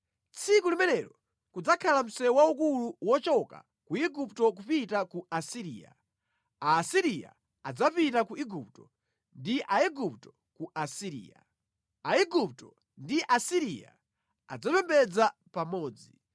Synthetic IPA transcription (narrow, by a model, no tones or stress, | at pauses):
t͡sʰikulimɛnɛɾɔ | kud͡zakʰalam̩sɛwaukuluwɔt͡ʃɔka̰ | kuiɡuptɔk̬upitakuasiɾiːja̰ | aːsiɾija̰ | ad͡zapitakuiɡup̚tɔ | ndiʔaiɡuptɔ̥ | kuʔasiɾḭːja̰ | aiɡup̚tɔ | ndiʔasiɾija̰ | ad͡zapɛmbɛd͡zapamɔːd͡zi